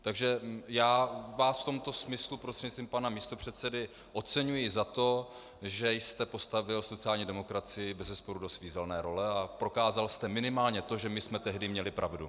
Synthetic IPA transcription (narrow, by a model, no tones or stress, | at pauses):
t̪aɡʒɛjaːvaːsft̪o̞mt̪o̞smɪslupɾost̪r̥ɛɲst̪viːmpanamiːst̪o̞pr̝̥ɛt̪sɛdɪ | ʔo̞t͡sɛɲujɪzat̪o̞ | ʒɛjst̪ɛpo̞st̪avɪlsot͡sɪaːlɲidɛmo̞kɾat͡sɪjɪbɛzɛspo̞ɾudo̞sviːzɛlnɛːɾo̞lɛapɾo̞kaːzalst̪ɛmɪnɪmaːlɲɛt̪o̞ʒɛmɪsmɛt̪ɛɦdɪmɲɛlɪpɾʔavdṵ